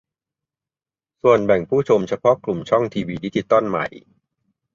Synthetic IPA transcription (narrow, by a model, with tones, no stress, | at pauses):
su˨˩ənbɛ˨˩ŋpʰuː˥˩t͡ɕʰo˧mt͡ɕʰa˧pʰɔ˦˥klu˨˩mt͡ɕʰɔ˥˩ŋt̪ʰiː˧wiː˧diː˦˥t͡ɕi˧t̪ːɔ˥˩nma̰˨˩j